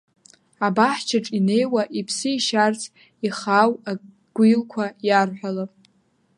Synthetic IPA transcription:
abaħt͡ʃʰaʈ͡ʂʼine̞jwaʔipʰsɨiʃart͡sʰ | iχawa | ɡ̥ʷilkʷʰajarħʷᶣalapʼ

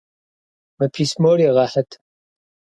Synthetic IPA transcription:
mɐpʰiːsmoɾiʁɐħət̪ʰ

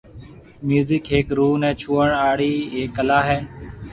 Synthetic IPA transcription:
mjuːzɪkɦeːkɾuːnɛ̃ːt͡ʃʰuːəɳaːɽiːeːkːəlaːɦɛː

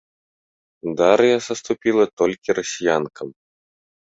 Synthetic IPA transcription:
d̪aɾjasɐst̪upʲilˠɐt̪ɔlʲkʲiɾɐsʲijankɐm

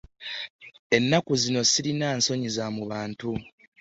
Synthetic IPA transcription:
e̞nːakuzino̞siɾinanso̞ɲizamuβaːntu

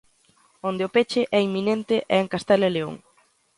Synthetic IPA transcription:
ond̪ɪʊpet͡ʃɪʔɛimːinent̪ɪʔɛeŋkast̪ɛleleo̰ŋ

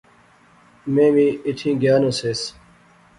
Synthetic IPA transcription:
mẽːmĩːiʈʰĩːɡjaːnoseːs

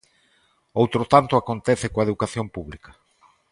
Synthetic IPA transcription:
owt̪ɾot̪ant̪ʊakont̪ɛθekoaeðukaθjompuβlikɐ̥

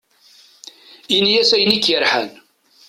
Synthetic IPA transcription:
injæsæjnikːjəɾħæ̰n

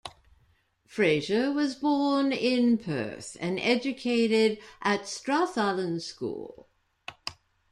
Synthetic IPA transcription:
fɹeɪʒəwʌzbɔːnɪ̃npʰɜ̰ˑ˞θɨ̃nɛd͡ʒɨkʰeɪɾɪɾʔətstɹ̥ɑθɑlˠə̃nskṵːlˠ

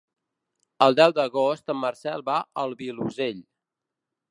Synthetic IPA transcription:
əlˠd̪ɛwd̪əɣost̪əmːərsɛlˠβaəlˠβiluzeʎ

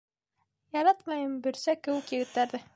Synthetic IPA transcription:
jɑɾɑt̪mɑjɤmbɵ̆ɾsækɘ̆wɘkjɘ̆ɡɘ̆t̪ːæɾðɘ

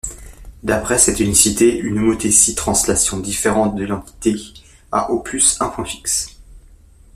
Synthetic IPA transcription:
d̪apχɛsɛt̪ynisit̪eʔynumot̪esit̪χɑ̃slasjɔ̃d̪ifeʁɑ̃t̪̚d̪əlɑ̃t̪i̥t̪e | a̰ʔopʰysɛ̃pwɛ̃fi̥ks

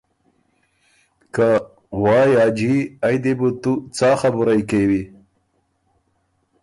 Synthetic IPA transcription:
ka | wɑːjɑːd͡ʒiajd̪ebut̪ut͡sɑːxabuɾajkewi

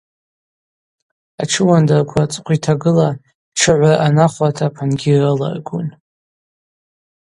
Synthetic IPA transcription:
aʈ͡ʂʰɨwandarkʷʰat͡sʼqʷitʰaɡɨla | ʈ͡ʂʰɨʕʷaʔanaχʷatʰapʰanɡʲirɨla̰rɡṵn

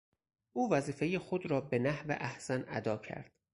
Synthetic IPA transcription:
ʔuːvæziːfe̞jexod̪ɾɒːbe̞næhvḛʔæhsænæd̪ɒːcʰæ̰ɾd̪̥

